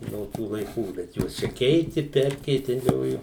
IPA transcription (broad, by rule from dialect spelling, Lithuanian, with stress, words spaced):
noː ˈtuː lˠɐɪˈkuː bʲɛt ˈjuɔs t͡ʃʲɛ ˈkʲɛɪtʲɪ ˈpʲɛrʲkʲɛɪtʲɛlʲoːjʊ